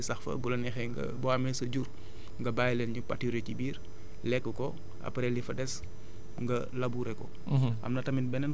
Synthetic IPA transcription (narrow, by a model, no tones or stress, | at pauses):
isɐxfɐ̰bulɐnɛxɛŋɡɐ̰bɔamɛsɐɟuɾ | ŋɡɐbaːjlɛnɲupatiɾɛcibiːɾ | lɛkːəkɔ | ʔɐ̰pɾɛlifɐdɛs | ŋɡɐ | lɐbuːɾɛkɔ̰ | ʔɐ̰mnɐtɐminbɛnɐn